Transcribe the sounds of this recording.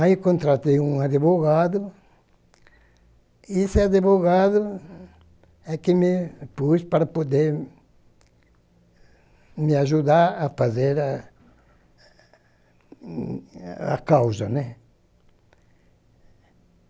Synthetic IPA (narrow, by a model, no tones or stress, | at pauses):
ajkõnt̪ɾat̪ejũŋaðeβoɣaðʊ | esɪaðeβoɣaðʊ | ɛkɪmɪpuspaɾɐpod̪eɾ | mɪaʒud̪aɾafazeɾa | a̰kawzɐnɛ